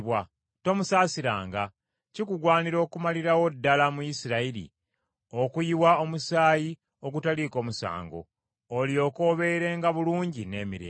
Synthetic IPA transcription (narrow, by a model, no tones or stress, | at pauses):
βwa | to̞musaːsiɾa̰ːŋɡa | cikuɡwaːniɾo̞ːkumaliɾawo̞dːalamujisiɾaiɾḭ | okujiwao̞musaːji | o̞ɡutaliko̞ːmusa̰ːŋɡo̞̰ː | lio̞ko̞ːβe̞ɾe̞ːŋɡaβuluːɲɟine̞ːmiɾeː